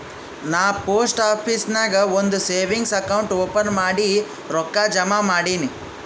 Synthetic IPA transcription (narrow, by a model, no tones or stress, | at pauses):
naːpoːsʈaːpʰisnɐɡɐond̪useːʋiŋɡsɐkɐwuɳʈoːpɐnmaːɽi | ɾɔkːaːd͡ʒɐmamaːɽiːni